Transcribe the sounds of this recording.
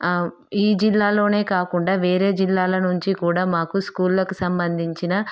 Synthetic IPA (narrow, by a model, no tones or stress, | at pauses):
iːd͡ʒilːaːlo̞ːne̞ːkaːkuɳɖaːʋeːɾe̞ːd͡ʒilːaːlɐnuɲt͡ʃikuːɽaːmaːkuskuːllɐkusɐmbɐnd̪ʱiɲt͡ʃinɐ